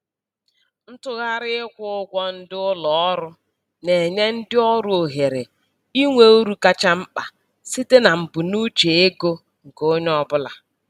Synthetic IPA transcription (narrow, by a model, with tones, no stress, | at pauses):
n̩˦tʊ˦ɣa˦ɾɪ˦ɪ˦kʷʊ˦ʊ˦ɡʷɔ˦n̩˦dɪ˦ʊ˦lɔ˨ɔ˦ɾʊ˦ | ne˨ɲe˦n̩˦dɪ˦ɔ˦ɾʊ˦o˨ɦe˨ɾe˨ | i˦ŋʷe˦u˦ɾu˦ka˦t͡ʃa˦m̩˦k͡pa˨ | si˦te˦na˨m̩˨bu˨nu˦t͡ʃe˨e˦ɡo˦ | ŋ̩˨ko˦ɲ˦ɔ˦bʊ˦la˨